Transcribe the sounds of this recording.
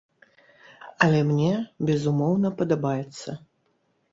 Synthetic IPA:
ɐlʲɛmnʲɛbʲɛzumɔwnɐpɐd̪abajɛt̪sːɐ

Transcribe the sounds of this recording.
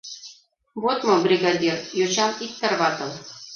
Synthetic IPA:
βot̪mobrʲiɡad̪ʲirjot͡ɕɑmik̚t̪ːə̆rβɑt̪ɤ̆lˠ

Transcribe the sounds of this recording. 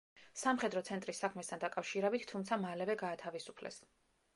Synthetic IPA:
samχɛd̪ɾɔt̪sʰɛnt̪ʼɾisːakʰmɛst̪ʰand̪akʼafʃiɾɛbit̪ʰt̪ʰːumt̪sʰamalɛvɛɡaːt̪ʰavisu̥pʰlɛ̰s

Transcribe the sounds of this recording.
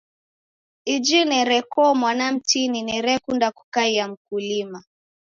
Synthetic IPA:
id͡ʒinɛɾɛkɔmwanam̩tininɛɾɛkundaku̥kaijam̩kulima

